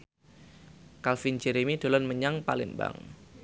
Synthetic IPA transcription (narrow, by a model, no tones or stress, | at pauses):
kalfind͡ʒɛɾemid̪̥o̤lɔnməɲaŋpalɪmba̰ŋ